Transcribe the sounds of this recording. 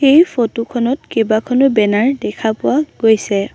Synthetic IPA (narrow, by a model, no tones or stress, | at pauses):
xejpʰotukʰɔnɔtkibakʰɔnɔbɛnaɹdɛkʰapʊwaɡ̥ojsɛ